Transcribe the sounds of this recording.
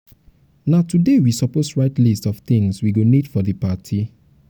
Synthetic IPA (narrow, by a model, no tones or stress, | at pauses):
natudewisɔposɹaɪtlistɔft̪ĩŋswiɡonidfɔðipatʰi